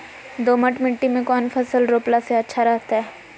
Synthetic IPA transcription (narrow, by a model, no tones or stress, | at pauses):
d̪oːməʈmɪʈːimẽkɔːnfʰɐsəlɾoːplaseɐtːʃʰaɾɛɦt̪aɦɛɛː